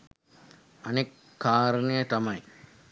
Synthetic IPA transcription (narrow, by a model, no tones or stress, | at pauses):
ɐnekː | aːɾɐnijət̪ɐmɐj